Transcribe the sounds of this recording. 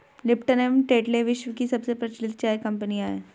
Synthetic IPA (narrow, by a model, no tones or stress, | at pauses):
lɪpʈənemʈeːʈleʋɪʃʋəkisɐbsepɾɐt͡ʃlɪt̪̚t͡ʃaːjkɐ̃mpəniaːeː